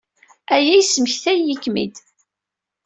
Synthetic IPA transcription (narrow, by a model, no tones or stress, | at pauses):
æjæjsəməçθæjːəkːmḭd̪